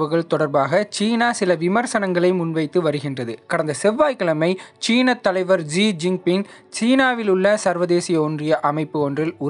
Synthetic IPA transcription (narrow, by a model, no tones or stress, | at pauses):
ʋɯɣɐɭt̪ɔɽɐɾbaːɣɐt͡ʃiːnaːsɪlɐʋɪmɐɾsɐnɐŋɡɐɭɐɪmʊnʋɐɪt̪ːɯʋɐɾɯɣɪndrɐðɯkɐɽɐnd̪ɐsɛʋːaːjkɐlɐmɐɪt͡ʃiːnɐt̪ːɐlɐɪʋɐɾd͡ʒiːd͡ʒɪŋpɪŋ | t͡ʃiːnaːʋɪlʊɭːɐsɐɾʋɐðeːsɪjɐɔndrɪjɐʔɐmɐɪpːɯɔndrɪlʊ